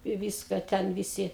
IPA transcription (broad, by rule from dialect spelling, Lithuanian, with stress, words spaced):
ɪ ˈʋʲiːskɐ ˈtʲɛn ʋʲɪˈsʲɪ